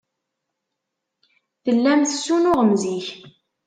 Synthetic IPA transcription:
θəlːæmθəsːunʊʁəmziç

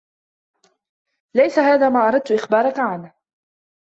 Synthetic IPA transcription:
lajsahaːðaːmaːʔɑɾˤɑd̪̚t̪ʊʔɪxbɑːɾˤɑkaʕan

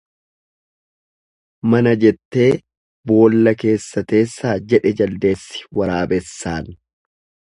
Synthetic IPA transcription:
mɐnɐd͡ʒɛt̪ːe̞ː | bo̞ːlːɐke̞ːsːɐt̪e̞ːsːaːd͡ʒɛᶑɛd͡ʒɐld̪e̞ːsːɪ̥wɐɾaːbɛsːaːn

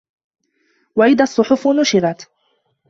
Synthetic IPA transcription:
waʔɪðaːsˤːʊħʊfnʊʃɪɾɑt̪

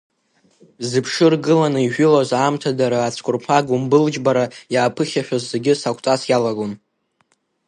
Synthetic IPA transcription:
zɨpʰʂɨrɡɨlanɨiʒᶣʷʊlazaːmtʰadaɾaːt͡sʷʰkʷʼʊrpʰaɡumbɨld͡ʒbaɾajaːpʰɨχʲaʃᶣazːe̞ɡʲɪsakʷʰʼt͡sʼasjalaɡon

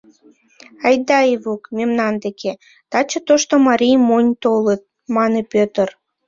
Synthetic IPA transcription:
ɑjd̪ɑeβukmʲemnɑnd̪ekʰe | t̪ɑt͡ɕət̪oʃt̪omɑɾʲijmonʲt̪olət̪̚ | mɑnepʲøt̪ər

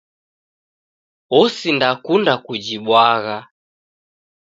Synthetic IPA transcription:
ɔsindakundakud͡ʒiɓwaɣa

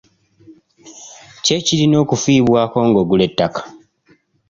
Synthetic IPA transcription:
ce̞cilino̞ːkufiːβwaːko̞ːŋɡo̞ɡule̞tːakḁ

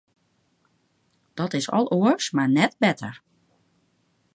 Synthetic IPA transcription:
d̥ɔtɪsɔ̰lˠʔoəsmaɹnɛt̚bɛtʰə̰ɹ

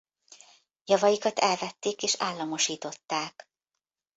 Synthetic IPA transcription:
jɒvɒjikɒt̪ɛlvɛt̪ːeːkeːʃaːlːɒmo̞ʃiːt̪o̞t̪ːaːk

